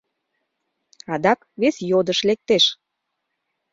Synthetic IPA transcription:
ɑd̪ɑk | βesjod̪əʃlek̚t̪eʃ

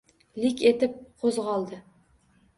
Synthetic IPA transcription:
lɪkʲe̞t̪ɪp̚qʰozʁɒlˠd̪ɪ

